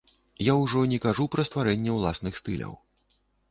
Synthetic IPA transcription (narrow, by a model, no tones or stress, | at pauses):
jawʐɔnʲɛkaʐupɾɐst̪vaɾɛnʲːɛwlˠasnɨxst̪ɨlʲɐ̰w